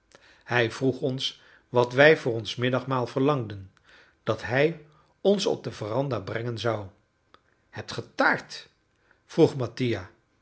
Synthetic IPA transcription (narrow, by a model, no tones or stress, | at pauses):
hɛjv̥ruχɔns | ʋɑtʋɛjvʊːrɔnsmɪdɑχmaːlˠv̥əɹlɑŋdən | d̥ɑtɦɛj | ɔnsɔ̰b̚dəvərɑndaːbrɛŋənzɑw | hɛp̚tχətaːɹt | fruχmɑtija